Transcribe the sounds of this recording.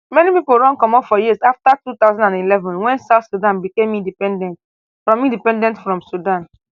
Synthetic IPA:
mɛnipipolɹɔ̃nkɔ̃mɔ̃fɔjisaftatut̪aʊzɔ̃ndãndilɛvɔ̃nwɛ̃nsaʊθsudãnbikẽmĩndipɛdɛ̃nt | fɹɔ̃mĩndipɛ̃ndɛ̃ntfɹɔ̃msudãn

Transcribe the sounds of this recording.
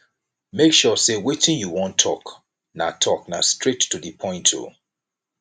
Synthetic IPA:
mekʃɔsewetĩnjuwɔ̃ntʰɔk | natʰɔknastɹetːudipʰɔ̃ɪ̃ntʰo̰

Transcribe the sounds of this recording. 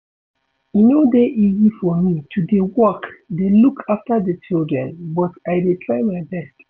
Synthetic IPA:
inodeʔizifɔmitʰudewɔkdelukʰaftadət͡ʃildɹɛ̃nbɔtaɪdetʰɹaɪmaɪbɛst

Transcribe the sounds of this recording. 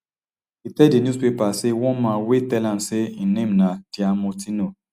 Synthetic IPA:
itɛdinjuspepasewɔ̃nmãnwetɛlãmseinẽmnad̥iamotino

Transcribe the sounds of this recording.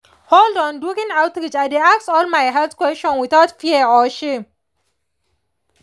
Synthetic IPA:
holdɔ̃ndukĩnaʊtɾit͡ʃadeaksɔlmajɦɛlθkwɛstɔ̃nwiθaʊtfiəɔʃẽm

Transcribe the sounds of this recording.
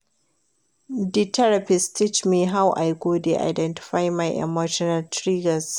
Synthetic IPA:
ditʰɛɾapɪstʰit͡ʃmiːɦawʔa̰jɡoːdeʔa̰jdɛntɪ̥ɸajmajʔɛ̰moʃɔnɐltɾiːɡɐs

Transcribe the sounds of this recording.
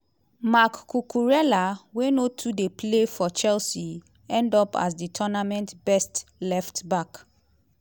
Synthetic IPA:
makːukuɹɛlawenotʰudeplefɔt͡ʃɛlsi | ɛ̃ndɔpa̰s̬ditʰɔnamɛ̃ntbɛstlɛftbak

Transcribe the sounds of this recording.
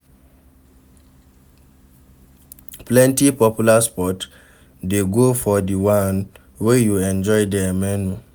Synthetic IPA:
plɛ̃ntipɔpjulaspɔt | deɡofɔdiwãn | wejuɛ̃nd͡ʒɔjdɛmɛnu

